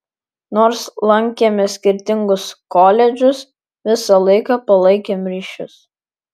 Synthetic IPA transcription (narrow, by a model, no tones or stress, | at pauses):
noːɾslˠɐŋʲkʲeːmʲɛsʲkʲɪɾʲt̪ʲɪŋɡʊskoːlʲɛd͡ʒʲʊs | ʋʲɪsɐlˠɐɪkɑːpɐlˠɐɪkʲeːmɾʲiːʃʲʊ̰s